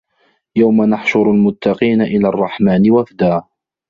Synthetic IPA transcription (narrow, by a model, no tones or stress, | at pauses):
jawmanaħʃʊɾalmʊt̪ːɑqiːnaʔɪlaːrˤːɑħmaːnɪwafd̪aː